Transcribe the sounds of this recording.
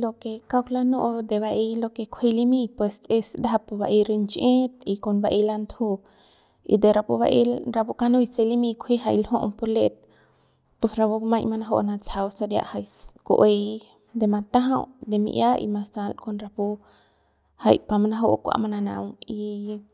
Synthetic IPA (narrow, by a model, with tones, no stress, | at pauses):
lo˧ke˧ka˦kla˦no˦ʔd̪e˧βa˧ʔi˧lo˧ke˧kʷʰe˦˧li˦mĩ˦˧pwe˧se˧sd̪a˦ɦa˧pu˧ba˧ʔi˧ɾi˧nt͡ʃʔẽ˦t̪̚i˧ko˧nba˧ʔi˧la˧nd̪ʰhu˦˧ | ḭ˧d̪e˧ɾa˧pu˧βa̰˧ʔi˧ɾa˧pu˧ka˧nũ˦jse˧li˦mĩ˧kʷʰi˦ɦa˧jlho˦ʔpo˧ɾle˧t̪̚ | po˧sɾa˧bu˧mã˧jma˧na˧˦ɦo̰˦˧ʔna˧t͡sa˧wsa˧ɾja̰˧ʔha˧jko̰˧ʔe˧ | d̪e˧ma˧t̪a˦ɦã˧wd̪e˧mḭ˧ʔja˦ḭ˧ma˧sa˧lko˧nɾa˧pu˧ | ha˧jpa˧ma˧na˧ɦo˦ʔkʷa̰˧ma˧na˧nã̰˧wi˧